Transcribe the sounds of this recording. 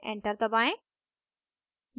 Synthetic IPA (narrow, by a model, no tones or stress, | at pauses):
ʔɛ̰̃ɳʈəɾt̪ɐbãẽ | j